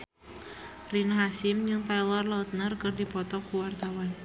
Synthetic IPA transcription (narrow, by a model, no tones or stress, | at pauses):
rinaɦasɪmd͡ʒɨŋt̪ajlɔrlaut̪̚nərkɨrdipɔt̪ɔkuwart̪awan